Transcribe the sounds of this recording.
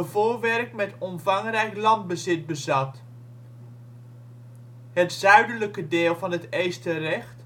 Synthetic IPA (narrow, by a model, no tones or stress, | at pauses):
əvoːɹʋɛrkmɛtɔmvɑŋrɛjklɑnd̚bəzɪt̚bəzɑt | ɦətzœɥdələkədɪːlˠvɑnɦətejstərɛχt